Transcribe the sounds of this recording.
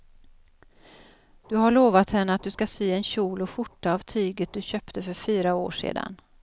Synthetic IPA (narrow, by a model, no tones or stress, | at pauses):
d̪̥ɵɦaɭoːvat̪hɛnːəat̪̚d̪ɵskasyːɛnɕuːlɔfʊʈːaːvt̪ʰyːɡət̪̚d̪ɵɕœːpt̪əfœɾfyːɾao̰ːʂḛːd̪a̰n